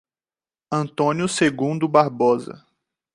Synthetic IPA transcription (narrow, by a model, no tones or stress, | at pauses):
ɐ̃nt̪õnjʊseɡũnd̪ʊbaɾbɔzɐ̰